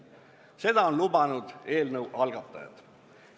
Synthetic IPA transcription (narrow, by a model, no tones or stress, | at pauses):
se̞d̪̥ɑo̞nlubɑnud̪̥e̞ːlnəwʔɑlɡ̥ɑt̪ːˑɑ̰jɑ̰d̪̥